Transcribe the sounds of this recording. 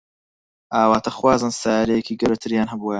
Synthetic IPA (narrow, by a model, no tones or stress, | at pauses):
ʔaːwaːt̪ʰɐxwaːzɨnsaːjaɾɐjekiːɡɐɾɐt̪ʰɨɾjaːnɦɐbua